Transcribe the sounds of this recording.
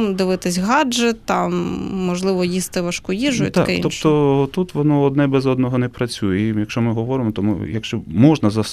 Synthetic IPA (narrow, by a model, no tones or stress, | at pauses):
d̪ɪʋɪt̪ɪsʲɦɑd͡ʒɛt̪ɑmːɔʒlˠɪʋɔjist̪ɪʋɐʃkʊjiʒʊjʊt̪ʲa̰kḭɔpt̪ɔt̪ut̪ʋɔnɔɔd̪nɛbɛzɔd̪̚nɔɦɔnɛpɾɐt͡sʲujɛijɐkʃt͡ʃɔmɪɦɔʋɔɾɪmɔt̪ɔmʊ̰jɐkʃt͡ʃɔmɔʒnɐzɐs